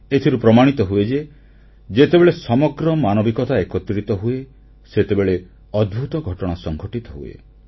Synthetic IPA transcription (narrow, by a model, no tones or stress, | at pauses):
et̪ʰiɾupɾɔmaɽ̃it̪ɔɦued͡ʒe | d͡ʒet̪ebeɭesɔmɔɡɾɔmanɔbikɔt̪ʰaekɔt̪ɾit̪ɔɦue | set̪ebeɭe | ɔd̪̚bʱut̪ɔɡʱɔʈɔɽ̃asɔŋɡʱɔʈit̪ɔɦṵḛ